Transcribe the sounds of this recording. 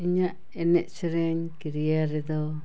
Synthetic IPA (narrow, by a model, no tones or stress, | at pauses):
iɲaʔ | ɛnɛʔsɛɾɛɲkiɾijaɾɛd̪ɔ